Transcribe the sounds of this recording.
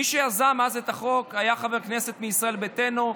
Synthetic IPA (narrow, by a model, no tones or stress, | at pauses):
iʃeazamazet̪aχo̞kajaχaveʁknese̞t̪miisʁae̞lbet̪e̞no